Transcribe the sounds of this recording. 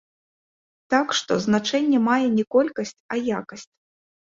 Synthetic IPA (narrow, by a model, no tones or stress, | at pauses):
t̪akʂt̪ɔznat͡ʂɛnʲːɛmajɛnʲɛkɔlʲkɐsʲt͡sʲɐjakɐsʲt͡sʲ